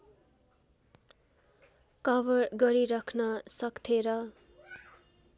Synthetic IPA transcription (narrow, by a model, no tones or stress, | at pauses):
kʌbʌrɡʌɾiɾʌkʰnʌsʌkt̪ʰeɾʌ